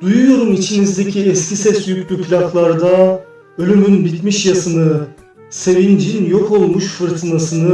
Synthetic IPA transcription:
d̪ujujoɾumit͡ʃʰinizd̪e̞cʰiɛscisɛsjycʰʲlʲypʰlʲakʰlˠaɾd̪a | ø̞lʲymynbit̪miʃjasɯnɯ | se̞vind͡ʒinjo̞kʰo̞lˠmuʃfɯɾt̪ʰɯnasɯnɯ

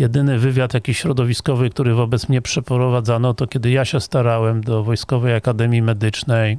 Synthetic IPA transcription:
jɛd̪ɘnɘvɘvʲjat̪jakʲiɕɾɔd̪ɔvʲiskɔvɘkt̪uɾɘvɔbɛt̪smɲɛpʂɛpɾɔvad̪zanɔt̪ɔkʲjɛd̪ɘjaɕɛst̪aɾawɛmd̪ɔvɔjskɔvɛjakad̪ɛmʲjimɛd̪ɘt͡ʂnɛj

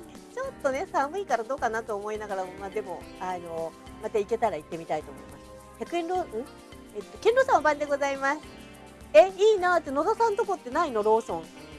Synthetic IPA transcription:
t͡ɕo̞t̪ːo̞ne̞sãmɯ̟ikaɾad̪o̞ːkanat̪o̞ːmo̞inaɡaɾamomaːd̪e̞mo̞ano̞ | mat̪aike̞t̪aɾait̪ːe̞mʲit̪ait̪o̞ːmoimasɨ̥ | çakɯ̟ẽnɾoːɯ̟̃ | et̪ːo̞kẽ̞nɾoːsãobãnd̪e̞ɡo̞zaimasɨ̥ | eiːnaːt̪ːeno̞zasãnt̪oko̞t̪ːe̞naino̞ɾo̞ːsõ̞ŋ

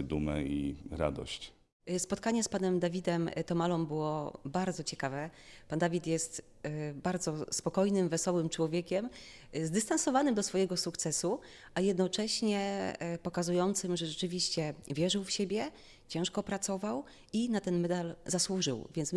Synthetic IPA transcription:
d̪umɛ̰iɾa̰d̪ɔ̰ɕt͡ɕ | spɔt̪̚kaɲɛspanɛmd̪avʲid̪ɛmt̪ɔmalɔmbɘwɔbaɾd̪zɔt͡ɕɛkavɛpand̪avʲit̪jɛst̪ | baɾd̪zɔspɔkɔjnɘmvɛsɔwɘmt͡ʂwɔvʲjekʲɛm | zd̪ɘst̪ansɔvanɘmd̪ɔsfɔjɛɡɔsukt̪sɛsu | ʔajɛd̪nɔt͡ʂɛɕɲɛpɔkazujɔnt̪sɘmʐɛʐɛt͡ʂɘvʲiɕt͡ɕɛvʲjɛʐɘwfɕebʲjɛ | t͡ɕɛ̃w̃ʂkɔpɾat̪sɔvaw | inat̪ɛnmɛd̪alzaswuʐɘ̰wvʲjɛnts

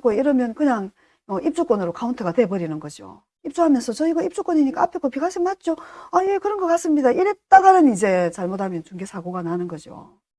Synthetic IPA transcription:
k͈oiɾʌmjʌnkɯɲaŋ | mʌʔip̚t͡ɕ͈uk͈onɯɾokauntʰeɡatwe̞bʌɾinɯnɡʌd͡ʑio̰ | ip̚t͡ɕ͈uɦamjʌnsʰʌt͡ɕʌiɡaip̚t͡ɕ͈uk͈woɲiɲik͈aapʰek͈ʰopiɡaɕʰimat̚t͡ɕ͈oaje̞kɯɾʌnɡʌk͈ats͈ɯmɲidaʔiɾet̚t͈aɡanɯnid͡ʑe̞t͡ɕaɭmotʰamjʌnt͡ɕuŋɡesʰaɡoɡananɯnɡʌd͡ʑio̰

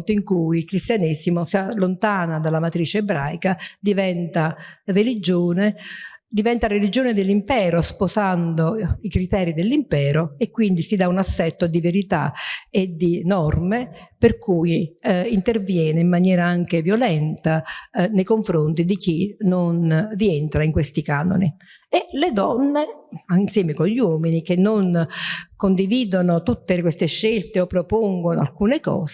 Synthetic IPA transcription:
t̪oiŋkujilkɾist̪janisimosialːont̪aːnad̪alamat̪ɾiːt͡ʃeːbɾajkad̪ivɛnt̪arelid͡ʒoːned̪ivɛnt̪arelid͡ʒoːned̪elːimpɛːɾosposand̪oikɾit̪ɛːɾid̪elːimpɛːɾoekːwind̪isid̪aunasːɛt̪ːod̪iveɾit̪a̰ed̪inɔrmeperkʰuːjint̪ervjɛːneimːanjɛːɾaaŋk̟evjolɛnt̪anejkoɱfɾont̪id̪ik̟inonrient̪ɾaiŋkwest̪ikaːno̰ni | eled̪ɔnːeainsjɛːmekoʎwɔːminik̟enːonkond̪iviːd̪onot̪ut̪ːekwest̪eʃːelt̪eopːɾopoŋɡonoa̰lkuːnekɔ̰ːs

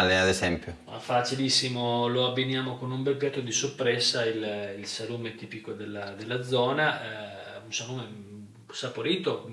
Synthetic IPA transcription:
lead̪esɛmpjoafat͡ʃilisːimoloabːinjaːmokonumbelpjat̪ːod̪isopːɾɛsːaililsaluːmet̪iːpikod̪elːad̪elːad̪zːɔːna | unsaluːme | sapoɾiːt̪o

